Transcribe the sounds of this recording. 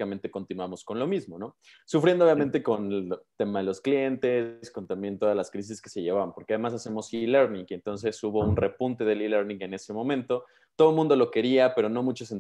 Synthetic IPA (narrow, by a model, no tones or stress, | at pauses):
amẽnt̪e̞ko̞nt̪inuwamo̞sko̞nlo̞mizmo̞no̞ | sufɾjend̪oβjament̪e̞ko̞nt̪e̞maðe̞lo̞sklje̞nt̪e̞sko̞nt̪ãmbje̞nt̪o̞ðazlaskɾis̬iske̞̥se̞ʝeβ̞aβampo̞ɾkeað̞e̞masase̞mo̞sileɾnĩŋɡent̪o̞ns̬e̞suβo̞unre̞punt̪e̞ðe̞lileɾnĩŋe̞ne̞se̞mõ̞mẽnt̪o̞ | t̪o̞ð̞omũnd̪o̞lo̞ke̞ɾiape̞ɾo̞no̞mut͡ʃosen